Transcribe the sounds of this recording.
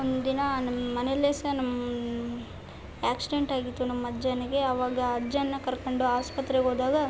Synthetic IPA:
ond̪d̪inɐnɐmmɐneleːsɐnɐmːɐ | aːksiɖeɳʈaːɡit̪ːunɐmːɐɐd͡ʒaːnɐɡe̞ɐʋaːɡɐːd͡ʒanːɐkɐɾkoɳɖuaːspɐt̪ːɾeɡoːd̪aːɡɐ

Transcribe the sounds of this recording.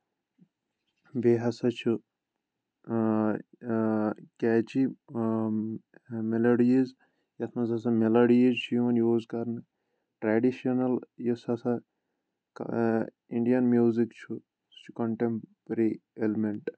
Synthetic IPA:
beːɦɐsɐt͡ʃʰu | kɛːt͡ʃi | meloɖiiz | jɐt̪ʰmɐzɐsɐmeloɖiizt͡ʃʰjumɐnjoːzkɐɾnɨ | ʈɾaːɖiʃiɐnɐljisɐsɐ | k | iɳɖijɐnmjuːzikt͡ʃʰu | t͡ʃʰu̥kɐɳʈempɾielimeɳʈ

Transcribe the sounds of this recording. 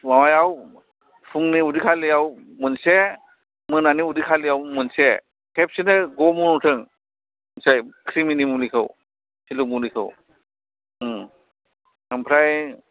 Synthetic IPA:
mawajaw | pʰuŋniudikʰalijawmɯnse | mɯnaniudikʰalijawmɯnse | kʰep̚sinɯɡɔmunutʰɯŋ | nsajkʰɾiminimulikʰɯw | silumulikʰɯ̰w | ɯmpʰɾaj

